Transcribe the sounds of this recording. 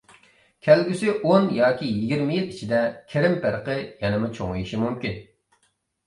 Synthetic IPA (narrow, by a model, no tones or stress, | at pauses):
kʲʰɛlɡʲysɪʔonjɑːkʲijiɡʲiɾmɪjet̪it͡ʃʰid̪ɛkʲʰeɾɪmpɪɾqəjɛnɨmʊt͡ʃʰoŋɨjiʃimumkʲin